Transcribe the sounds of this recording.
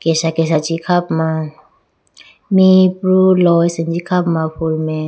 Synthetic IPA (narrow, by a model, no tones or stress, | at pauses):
kɛsakɛsad͡ʒikʰapma | mipɾulɔjsɛnd͡ʒikʰapmaɸʰulmɛ